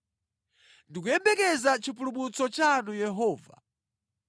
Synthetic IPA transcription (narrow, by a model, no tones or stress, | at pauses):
ndik̬ujɛmbɛkɛzat͡ʃipulumut͡sɔt͡ʃanujɛɦɔːva̰